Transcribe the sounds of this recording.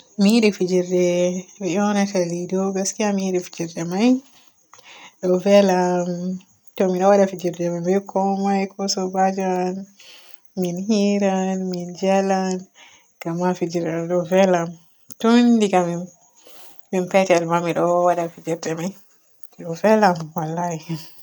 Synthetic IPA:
miiɗifid͡ʒiɾdɛmiʔɔnatalidɔɡaskiamiiɗifid͡ʒiɾdɛmaj | ɗɔvɛlam | tɔmiɗɔwaɗafid͡ʒiɾdɛmajbɛkʰɔmajkʰɔsɔbad͡ʒan | minɦiɾanmind͡ʒɛlan | ɡ̥amafid͡ʒiɾɛɗɔvɛlam | tɔndiɡami | mimpɛtɛadmamiɗɔwaɗafid͡ʒɛɾdɛmaj | ɗɔvɛlamwalːahi

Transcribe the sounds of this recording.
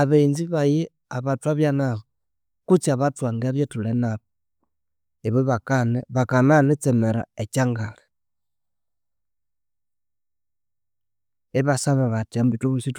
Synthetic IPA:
aβeinziβaje | aβatuaβjanaβo | kut͡siaβatwaŋɡeβjetulenaβo | eβeβakaneβakananet͡semeɾa̰et͡ʃaŋɡale̥ | eβasaβaβatiambituβusit

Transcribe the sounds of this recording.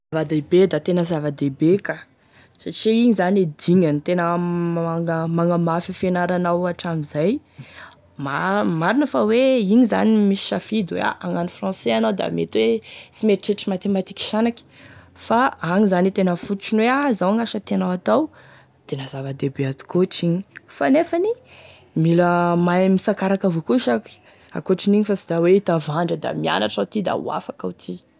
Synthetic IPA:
zavad̪ebed̪at̪enəzavad̪ebeka | saʈ͡ʂiiɲizanied̪iɲant̪enəmaŋəmaŋəmafifenaɾanawaʈ͡ʂamizaj | mamaɾinəfaweiɲiza̰nimisi̥ʃafid̪wḛa̰ʔaŋanifrɑ̃seanawd̪a̰mḛt̪wet͡simeʈ͡ʂeʈ͡ʂimat̪emat̪i̥kʲi̥ʃanakʲi̥ | faaŋizanit̪enəfut̪u̥ʈ͡ʂinweazawŋaʃət̪enawat̪aw | t̪enəzavəd̪ebead̪u̥koʈ͡ʂiɲi̥fanefani | miləmajmisakaɾakavokuʃak | a̰koʈ͡ʂiniɲifasid̪aweit̪avaɳɖ͡ʐəd̪a̰mia̰naʈ͡ʂaut̪id̪a̰ṵa̰fakaut̪ʰi

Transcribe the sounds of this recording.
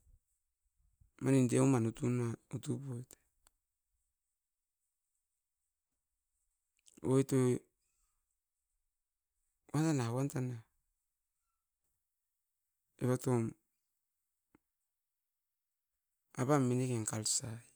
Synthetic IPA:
manindeumanutunautupojtḁ | ojto | wantanawantana | eβatom | aβamenekeŋkalsaj

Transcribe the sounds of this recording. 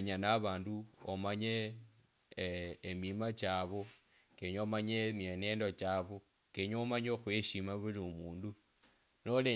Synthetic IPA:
ɲanaβaːnduo̰maɲe | mimat͡ʃaβo | keɲoomaɲemeneːndot͡ʃaβo | keɲomaɲexweʃimaβuliumuːndu | nole

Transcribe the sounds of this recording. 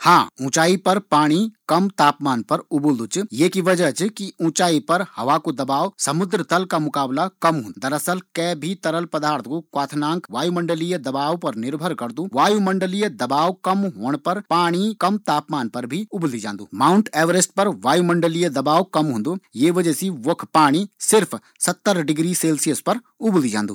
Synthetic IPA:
hã̰ːũːt͡ʃaːipɐɾpaːɽ̃ikɐmt̪aːpmaːnpɐɾʊbld̪ut͡ʃjekiʋɐd͡ʒət͡ʃkiũːt͡ʃaːipɐɾhɐʋaːkud̪ɐbaːʋsɐmʊd̪ɾət̪ɐlkamʊkaːblakɐmɦʊ̃ːnd̪d̪ɐɾəsəlkɛːbʱit̪ɐɾəlpɐd̪aːɾt̪kukwaːt̪ʰnãːŋkʋaːjumɐ̃ɳɖəlijəd̪ɐbaːʋpɐɾnɪɾbʱəɾkɐɾd̪uʋaːjumɐɳɖəlijəd̪ɐbaːʋkɐmɦoːɽ̃pɐɾpaːɽ̃ikɐmt̪aːpmaːnpɐɾbʱiʊblid͡ʒã̰ːnd̪uːmaːʊɳʈɛːʋəɾesʈpɐɾʋaːjumɐ̃ɳɖəlijəd̪ɐbaːʋkɐmɦõːnd̪uːjeʋəd͡ʒɛsiʋokʰpaːɽ̃isɪɾpʰ | sɐt̪ːəɾɖɪɡɾiseːlsijəspɐɾ | ʊblid͡ʒã̰ːnd̪uː

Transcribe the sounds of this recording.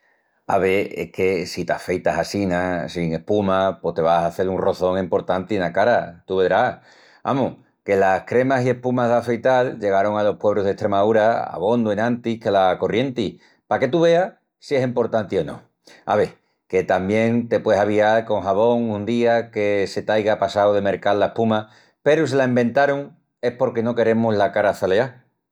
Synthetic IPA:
a̰βeḛkʰe̞sit̪a̰fe̞jt̪aɦasinasiŋe̞hpumapo̞ht̪e̞β̞asaθe̞lunro̞θo̞ŋempo̞ɾt̪ant̪ienakaɾat̪uβe̞ðɾa | a̰muh | ke̞lahkɾe̞masie̞hpumaðafe̞jt̪ald͡ʒe̞ɣ̞aɾo̞ŋalo̞hpweβɾuɦðe̞ht̪ɾe̞mauɾaa̰β̞o̞nd̪uenãnt̪ikelako̞rje̞nt̪i | pake̞t̪uβe̞a | sie̞simpo̞ɾt̪ant̪io̞nõ̰ | a̰βe̞ | ke̞t̪ambje̞ŋt̪e̞pweeaβ̞iaɾko̞ŋɦaβo̞ŋũnd̪iake̞se̞t̪ajɣapasawðe̞me̞ɾkallae̞hpuma | pe̞ɾus̬ilaembẽ̞nt̪aɾoŋ | e̞hpo̞ɾke̞no̞ke̞ɾe̞muzlakaɾaθalea

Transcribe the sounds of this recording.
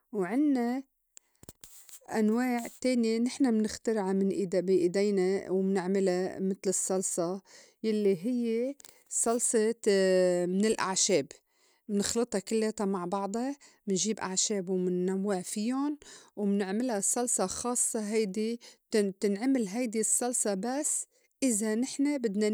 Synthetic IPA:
wʕɪnːa | ʔanwaːʕt̪eːnjinɪħnamnɪxt̪ɪɾʕamɪnʔid̪biʔɪd̪ejnawmnɪʕmɪlamɪt̪lɨsˤːɑlsˤɑ | jalːiɦɪjːe | sˤɑlsˤe | mɪnɪlʔa̰ʕʃeːb | mnɪxlɨt̪ˤɑkɪlːeːt̪amaʕbɑʕd̪ˤɑ | mɪnʒiːbʔa̰ʕʃeːbwmɪnːawːɪʕfijonwmnɪʕmɪlhasˤːɑlsˤɑxɑːsˤːɑɦajd̪i | t̪ɪnʕamɪlɦajd̪isˤːɑlsˤɑbasː | ʔɪzanɪħnabɪd̪na

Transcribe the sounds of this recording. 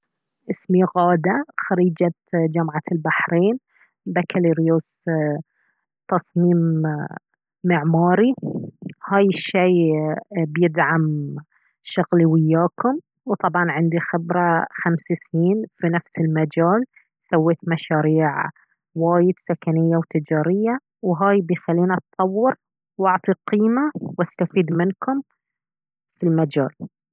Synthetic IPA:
ʔɪsmiɣaːd̪axaɾiːd͡ʒa | d͡ʒamʕalbaħɾeːn | bakaleɾjoːs | t̪ɑsˤmiːm | ɪʕmaːɾi | haːjɪʃːiː | bjɪd̪ʕam | ʃʊɣliwɪjːaːkʊm | wt̪ˤɑbʕɑnʕɪnd̪ixɪbɾˤaxamsasniːnfinafsɪlmad͡ʒaːl | sawːeːt̪maʃaːɾiːʕ | waːjɪd̪sakanɪjːawt̪ɪd͡ʒaːɾɪjːa | wɦaːjbixalːiːnʔat̪tˤːɑwːɪɾ | wʔʊʕt̪ˤiqiːmawast̪afiːd̪mɪnkʊm | filmad͡ʒa̰ːl

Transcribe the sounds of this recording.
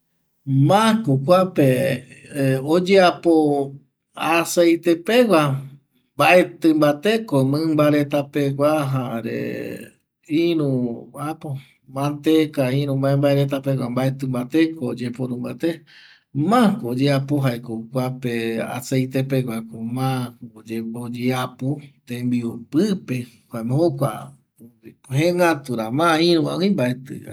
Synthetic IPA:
mãkokʷape | od͡ʒeapo | asejt̪e̞pe̞wʷa | mbaʔe̞t̪ɨ̃mbat̪e̞komɨ̃mbaɾe̞t̪apeɡʷaɦaɾḛ | ĩɾũapo | mãnt̪ekaĩɾũmãẽmbaeɾet̪apekʷambaet̪ɨmbat̪ekʰoːd͡ʒepoɾũmbat̪e | mãkoːd͡ʒeapoɦaekokʷapea̰sejt̪epekʷakomãod͡ʒeod͡ʒeapot̪ẽmbiupɨpe | kʷaemehokʷa | oioɦẽŋɡat̪uɾamãĩɾũã̰ĩmbaet̪ɨ̰a̰

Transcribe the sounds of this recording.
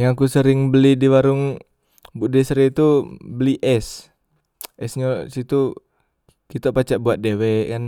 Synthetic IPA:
jaŋakusəɾɪŋbəlidiwaɾʊŋ | buʔdɛsəɾet̪ubəliʔɛs | ʔɛsɲasit̪u | kit̪opat͡ʃaʔbuat̪̚dewɛkan

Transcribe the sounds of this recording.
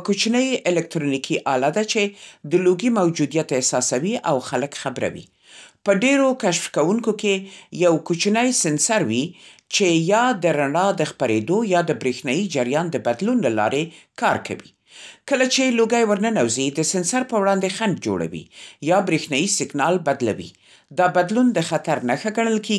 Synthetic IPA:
kot͡ʃnəjɪlɛk̚t̪ɾonikʰiʔɑlad̪at͡ʃed̪əloɡimawd͡ʒud̪ijat̪ehsɑsawiʔawxaləkxabɾa̰wḭ | pəɖeɾokaʃfkawuŋkokejawkot͡ʃnəjsɪnsaɾwit͡ʃejɑd̪əɾaɳɑd̪əxpaɾed̪ojɑd̪əbɾexnɑjid͡ʒaɾjɑnd̪əbad̪lunlalɑ̰ɾekɑɾkʰa̰wḭ | kəlat͡ʃeloɡajwəɾnənawzid̪əsɪnsaɾpəwɽɑnd̪exand̚d͡ʒo̰ɽa̰wḭjɑbɾexnɑjisɪɡnɑlbad̪la̰wḭ | d̪ɑbad̪lund̪əxat̪aɾnaxaɡaɳ̃əlkeɡi

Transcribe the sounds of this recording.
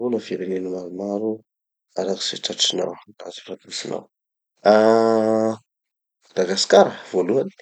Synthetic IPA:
unəviɾenenimaɾumaɾu | aɾaɾi̥sḛʈ͡ʂaʈ͡ʂina̰wra̰zifat̪usina̰w | a | d̪̥aɡaskaɾəv̥oluani̥

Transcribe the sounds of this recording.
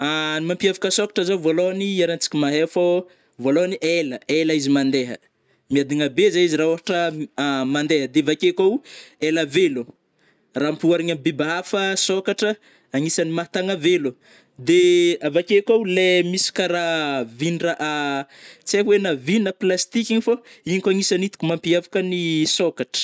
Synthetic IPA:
animampiavḁkəsokḁʈ͡ʂəzovoloaniaɾant͡si̥kʲimaɦefo | valoaniʔeləelaizimand̪eɦə̰ | miad̪iŋəbezaiziɾaoaʈ͡ʂəmand̪eɦəd̪eavakekawelavelu | rampuaɾiɲambebaɦafəsokaʈ͡ʂə | aŋisanimat̪aŋavelu | d̪eavakekawulemisi̥kaɾavinraʔa | t͡seɦwenavinəplast̪ikʲiɲifoiɲkʲaŋisanit̪u̥kumampiavakənisokaʈ͡ʂə̥

